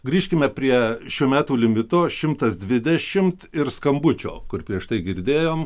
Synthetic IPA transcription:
ɡɾʲiːʃʲkʲɪmʲɛpʲɾʲiɛʃʲuːmʲæːt̪uːlʲɪmʲɪt̪oːʃʲɪmt̪ɐsd̪ʲʋʲɪd̪ʲɛʃʲɪmt̪ɪɾskɐmbʊt͡ʃʲo̰ːkʊɾpʲɾʲiɛʃt̪ɐɪɡʲɪɾʲd̪ʲeːjoːm

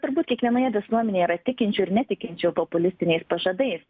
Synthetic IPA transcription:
t̪ʊɾbuːt̪kʲiɛkʋʲiɛnoːjɛʋʲɪsuɔmʲɛnʲeːjɛiːɾɐt̪ʲɪkʲɪnʲt͡ʃʲuːɪɾnʲɛt̪ʲɪkʲɪnʲt͡ʃʲɛʊpɔpʊlʲɪsʲt̪ʲɪnʲɛɪspɐʒɐd̪ɐɪs

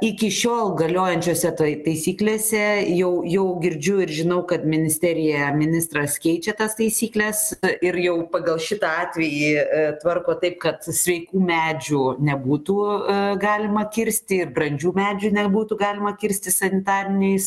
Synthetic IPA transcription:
ɪkʲɪʃʲoːlˠɡɐlʲoːjɛnʲt͡ʃʲoːsʲɛt̪ɐt̪ɐɪsʲiːklʲeːsʲɛjɛʊjɛʊɡʲɪɾʲd͡ʒʲʊɪɾʒʲɪnɐʊkɐt̪mʲɪnʲɪsʲt̪ʲæːɾʲɪjɛmʲɪnʲɪst̪rɐskʲɛɪt͡ʃʲɛt̪ɐst̪ɐɪsʲiːklʲɛsɪrjɛʊpɐɡɐlˠʃʲɪt̪ɑɑːt̪ʲʋʲɛjit̪ʋɐrkoːt̪ɐɪpkɐt̪sʲʋʲɛɪkuːmʲæːd͡ʒʲunʲɛbuːt̪uːɡɑːlʲɪmɐkʲɪɾʲsʲt̪ʲɪɪrbrɐnʲd͡ʒʲuːmʲæːd͡ʒʲunʲɛbuːt̪uɡɑːlʲɪmɐkʲɪɾʲsʲt̪ʲɪsɐnʲɪt̪ɑːɾʲɪnʲɛɪs

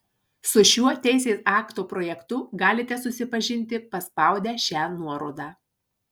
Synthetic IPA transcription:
sʊʃʲuɔt̪ʲɛɪsʲeːsɑːkt̪oːpɾoːjɛkt̪ʊɡɑːlʲɪt̪ʲɛsʊsʲɪpɐʒʲɪnʲt̪ʲɪpɐspɑˑʊd̪ʲæːʃʲæːnuɔɾoʊd̪ɑː

